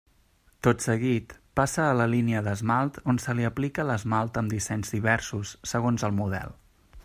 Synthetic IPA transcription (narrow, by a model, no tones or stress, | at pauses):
t̪ot̪səɣit̪pasəːləliniəðəzmalˠt̪onsəliəplikələzmalˠt̪əmd̪isɛɲzðiβ̞ɛɾsusːəɣonzəlˠmuðɛ̰lˠ